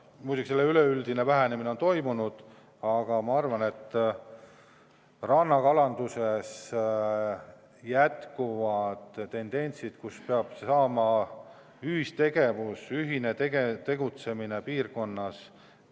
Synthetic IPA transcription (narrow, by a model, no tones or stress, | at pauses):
muːt̪ʲikselːeyleyld̪̥ine̞væɦænemine̞o̞nt̪o̞jmunud̪̥ | ɑɡ̥ɑmɑɑrvɑne̞t̪ː | rɑnːɑkɑlɑnd̪̥use̞s | jæt̪kuvɑd̪̥t̪ːe̞nd̪̥e̞nʲsid̪̥kuspe̞ɑb̥sɑːmɑ | yhist̪e̞ɡ̥e̞vusyɦinet̪eɡet̪e̞ɡut̪se̞mine̞piːrko̞nːɑs